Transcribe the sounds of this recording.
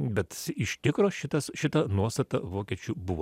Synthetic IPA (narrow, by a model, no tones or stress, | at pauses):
bʲɛt̪ɪʃʲt̪ʲɪkɾoːʃʲɪt̪ɐsʃʲɪt̪ɐnuɔst̪ɐt̪ɐʋoːkʲɛt͡ʃʲʊbʊʋoː